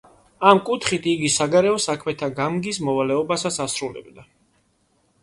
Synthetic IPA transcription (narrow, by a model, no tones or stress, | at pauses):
amkʼut̪ʰχit̪ʰiɡisaɡaɾɛɔsakʰmɛt̪ʰaɡamɡismɔvalɛɔbasasasɾulɛ̰bd̪a